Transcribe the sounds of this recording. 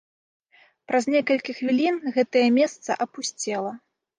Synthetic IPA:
pɾɐzʲnʲɛkɐlʲkʲixvʲilʲinɣɛt̪ɐjɐmʲɛst̪sɐ̰ʔɐpusʲt͡sʲɛlˠɐ

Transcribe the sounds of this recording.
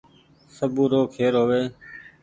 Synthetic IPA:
səbũːɾoːkʰeːɾɦoːʋeː

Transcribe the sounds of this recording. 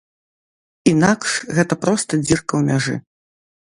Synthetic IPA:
inakʂɣɛt̪ɐpɾɔst̪ɐd͡zʲirkɐwmʲaʐɨ̰

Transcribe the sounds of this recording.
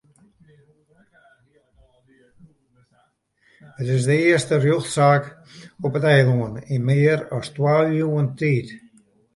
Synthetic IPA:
ətɪzdəɪəstərjoxtsaːk | ʊpətɛjlˠuəninmeːɾɔstwaljuːənt̪iːt̪

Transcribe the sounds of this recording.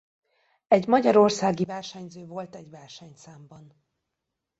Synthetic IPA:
ɛɟmɒɟɒɾo̞rsaːɡivɛrʃɛɲzøːvo̞lt̪ɛɟvɛrʃɛɲsaːmbɒn

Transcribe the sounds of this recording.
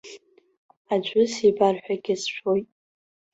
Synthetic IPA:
ad͡ʒʷʼʊsibarħʷᶣaɡʲɪsʃʷʰojtʼ

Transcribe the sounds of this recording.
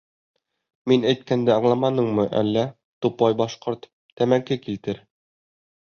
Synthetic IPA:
minæjt̪̚kænd̪æɑɴlˠɑmɑnɤɴmɤʔæ̰lːæ | t̪upɑjbɑʃqoɾt̪ | t̪æmæŋkɘkilt̪ɘɾ

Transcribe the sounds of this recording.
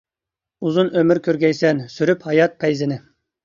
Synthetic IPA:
uzunømyɾkʲʰøɾɡʲɛjsɛnsyɾyphɑjɑt̪̚pʰɛjzɪnɪ

